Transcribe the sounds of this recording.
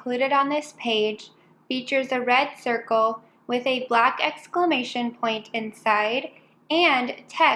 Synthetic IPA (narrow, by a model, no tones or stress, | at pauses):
l̥ʉɾɨɾn̩ðɪspʰeɪ̥ʒ̥ | fit͡ʃə˞zɨɹɛd̥sɜ˞kl̩ˠ | wɪðɨblækɛkskləmeɪʃɨ̃npʰɔ̃ɪ̃ntʰɨ̃nsaɪɾ | ɨ̃ntʰɛ